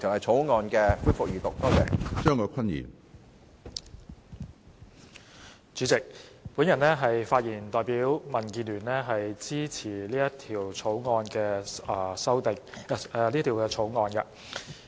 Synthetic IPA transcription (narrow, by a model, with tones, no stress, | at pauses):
t͡sʰɐ˨˩hɐ˨jt͡ʃʰo˨˥wŋɔː˧nkɛː˧fuː˥fʊ˨k̚jyː˨˩t̪ʊ˨k̚t̪o˥wjɛ˨t͡ʃœː˥ŋkʰɔː˨˧kʷʰɐ˥njḭː˨˩n | t͡ʃyː˨˥t͡sɪ˨k̚puː˨˥njɐ˨˩nlɛː˥ɦɐ˨jfaː˧t̚jiː˨˩nt̪ɔː˨jpiː˨˥wmɐ˨˩nkiː˧nlyː˨˩nlɛː˥ɦɐ˨jt͡siː˥t͡sʰiː˨˩liː˥jɐ˥t̪ʰiː˨˩wt͡sʰo˨˥wŋɔː˧nkɛː˧˨˧sɐ˥wt̪ɪ˨ŋ̚˧liː˥t̪ʰi˨˩wkɛː˧t͡ʃʰo˨˥wŋɔː˧nkɐ̰˧